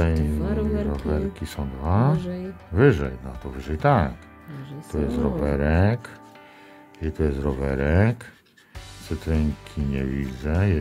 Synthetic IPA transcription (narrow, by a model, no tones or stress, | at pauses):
ɛ | ɾɔvɛɾkʲisɔ̃w̃d̪va | vɪʐɛjnat̪ɔvɘʐɛjt̪ak | t̪ɔjɛsɾɔvɛɾɛk | ɛt̪ɔjɛsɾɔvɛɾɛk | sɛt̪ɾɛŋkʲʰiɲɛ̰vʲid͡zzɛj